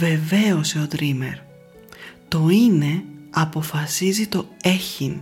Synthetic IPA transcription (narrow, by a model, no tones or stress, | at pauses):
ve̞ve̞oseod̪ɾime̞̰ɾ | t̪o̞ine̞ɐpo̞fɐsizit̪o̞e̞çin